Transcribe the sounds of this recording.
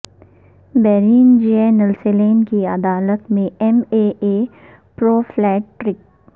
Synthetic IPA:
bɛːɾiːnd͡ʒenəlseleːnkiɐd̪aːlət̪mẽɛmeːeː | pɾoːflɛːʈːɾɪk̚

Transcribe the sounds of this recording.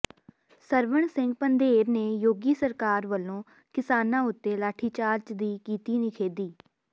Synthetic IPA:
səɾʋəɳsɪ̃ŋɡ̚pənd̪eːɾneːjoːɡiːsəɾkaːɾʋəlːõː | kɪsaːnãːʊt̪ːeːlaːʈʰiːt͡ʃaːɾt͡ʃd̪iːkiːt̪iːnɪkʰeːd̪iː

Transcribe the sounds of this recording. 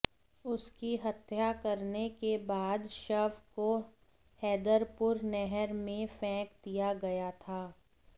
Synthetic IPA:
ʊskiɦɐt̪jakɐɾnekebaːd̪ʃəʋko | hɛːd̪əɾpʊɾnɛɦɛɾmẽfɛ̃ːkd̪ijaɡɐjat̪ʰaː

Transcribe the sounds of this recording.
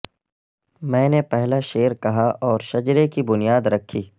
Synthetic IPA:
mɛ̃ːnepɛɦlaʃeːɾkɐɦaʔɔːɾʃɐd͡ʒɾekibʊnijaːd̪ɾɐkʰːiː

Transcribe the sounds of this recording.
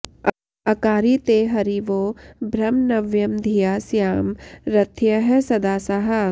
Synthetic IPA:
ɐkaːɾit̪eːɦɐɾiʋoːbʱɾɐmnɐʋjɐmd̪ʱijaːsjaːmɾɐt̪ʰjɐɦɐsɐd̪aːsɐɦɐ

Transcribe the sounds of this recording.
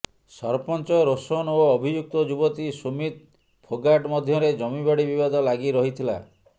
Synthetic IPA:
sɔɾpɔnt͡ʃɔɾosɔnoɔbʱid͡ʒuk̚t̪ɔd͡ʒubɔt̪isumit̪̚ | pʰoɡaʈmɔd̪ʱjɔɾed͡ʒɔmiβaɽibibad̪ɔlaɡiɾɔɦit̪ʰila̰

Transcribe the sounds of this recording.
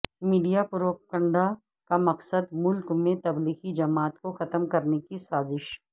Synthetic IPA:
miːɖijapʊɾoːkə̃ɳɖa | kamɐqsəd̪mʊlkmẽt̪ɐbliːxid͡ʒɐmaːt̪koxɐt̪əmkɐɾnekisaːzɪʃ

